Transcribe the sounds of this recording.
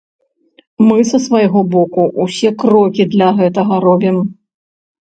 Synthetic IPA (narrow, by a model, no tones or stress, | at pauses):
mɨsɐsvɐjɣɔbɔkuʔusʲɛkɾɔkʲid̪lʲɐɣɛt̪ɐɣɐɾɔbʲim